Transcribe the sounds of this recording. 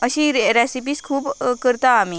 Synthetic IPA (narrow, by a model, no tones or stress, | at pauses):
əɕiɾɛsip̬iːskʰuːbkəɾt̪aːmiː